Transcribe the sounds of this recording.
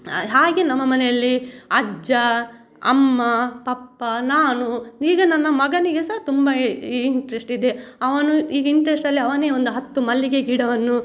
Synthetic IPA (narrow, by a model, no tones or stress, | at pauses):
ɦaːɡenɐmːɐmɐnejɐlːiɐd͡ʒɐ | ɐ̰mːɐpɐpːɐnaːnuiːɡɐnɐnːɐmɐɡɐniɡesɐːt̪umbɐiɳʈɐɾesʈid̪e̞ɐʋɐnuiːɡɐiɳʈɐɾesʈɐlːiɐʋɐne̞ːond̪uɦɐt̪ːumɐlːiɡe̞ɡiɽɐʋɐnːu